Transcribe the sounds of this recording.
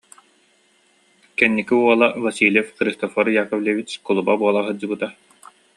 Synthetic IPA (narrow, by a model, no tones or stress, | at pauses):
kɛnːikiuɔlˠavasiːlʲɛfχɾist̪ɔfɔɾjaːkɔvlʲevit͡ɕkɔlˠubabuɔlˠaɦɯd͡ʑɯbɯt̪a